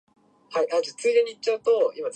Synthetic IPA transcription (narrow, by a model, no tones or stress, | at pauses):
haiʔad͡ʑat͡sɨid̪eɲ̟iːt͡ɕt͡ɕːaɯ̟t̪o̞ima